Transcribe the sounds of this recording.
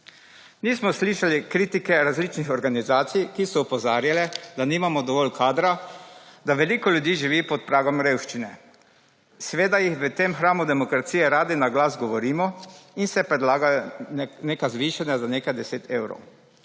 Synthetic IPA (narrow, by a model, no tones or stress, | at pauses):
niːsmɔsliːʃalikɾiːt̪ikɛɾazliːt͡ʃnixɔɾɡanizaːt̪sijkisɔupɔzaːɾjalɛd̪aniːmamɔd̪ɔʋɔlkʰaːd̪ɾad̪aʋɛliːkɔlʲjud̪jiːʒiʋiːpɔt̪̚pɾaːɡɔmɾeːwʃt͡ʃinɛ | sɛʋeːd̪ajixʋət̪emxɾaːmud̪ɛmɔkɾat̪sijɛɾaːd̪inaɡlazɡɔʋɔɾiːmɔinsɛpɾɛd̪laːɡajɔneːkazʋiːʃanjazaneːkajd̪ɛseːt̪ʰewɾo̰w